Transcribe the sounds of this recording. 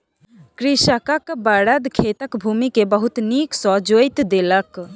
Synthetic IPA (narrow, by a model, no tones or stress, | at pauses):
kɾiʃəkəkbaːɽəd̪kʰeːt̪əkbʱuːmikebəɦut̪niːksɔd͡ʒojt̪d̪eːlək